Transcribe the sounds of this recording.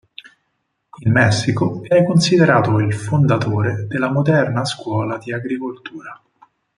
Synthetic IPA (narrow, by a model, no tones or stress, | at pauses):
ilmɛsːikoɛkːonsid̪eɾaːt̪oilfond̪at̪oːɾed̪elːamod̪ɛrnaskwɔːlad̪iaɡɾikolt̪uːɾa